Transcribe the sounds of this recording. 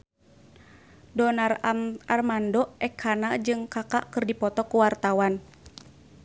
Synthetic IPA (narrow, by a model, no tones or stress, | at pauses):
dɔnaraarmandɔɛkʰhanad͡ʒɨŋkakaʔkɨrdipɔt̪ɔkuwart̪awan